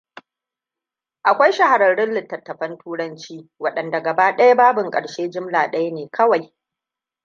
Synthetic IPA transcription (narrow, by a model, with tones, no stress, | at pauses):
ʔa˨kʷa˦jʃɐ˦ha˨ɾɐ˨ɽɪ˦nlɪ˨tːɐ˨tːɐ˨ɸɐ˦ntuː˦ɽɐ˦nt͡ʃiː˦wɐ˦˨ɗɐ˨nda˨ɡɐ˨baː˦ɗɐ˦ja˦baː˦bʊ˨ŋkʼɐ̰˨ɽʃeː˦d͡ʒɪ˦mlaː˨ɗɐ˦ja˦neː˨kʰɐ˦wa˨j